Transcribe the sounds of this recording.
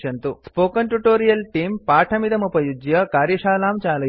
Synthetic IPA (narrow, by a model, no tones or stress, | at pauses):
ɐnt̪uspoːkɐnʈuʈoːɾijɐlʈiːmpaːʈʰɐmid̪ɐmupɐjud͡ʒjɐkaːɾjɐʃaːlaːmt͡ʃaːlɐ